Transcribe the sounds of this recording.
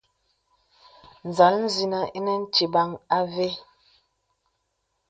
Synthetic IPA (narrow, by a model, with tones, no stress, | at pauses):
n̩˨za˨˦ln̩˦zi˨na˨ʔi˦nɛ˦n̩˦t͡ʃi˨ba˦ŋa˦ve˦